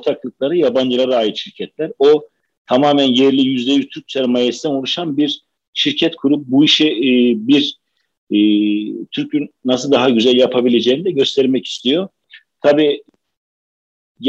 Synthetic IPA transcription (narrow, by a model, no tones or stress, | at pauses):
ot̪ʰaklˠɯk̚lˠaɾɯjaband͡ʒɯlˠaɾaaːjit̪ʃiɾcʰɛt̪lʲæɾo | t̪ʰamaːmænjɛɾlʲijyzlʲejyt̪ʰyɾc̚sʰɛɾmajɛsd̪ɛnolˠuʃanbiɾ | ʃiɾcʰɛt̪kʰuɾup̚buiʃibiɾː | t̪ʰyɾcynːasɯlˠd̪aɦaɟyzælʲjapʰabilʲe̞d͡ʒeːind̪ɛɟø̞st̪ʰɛɾmɛci̥st̪ʰijo̞ | t̪ʰabiː | j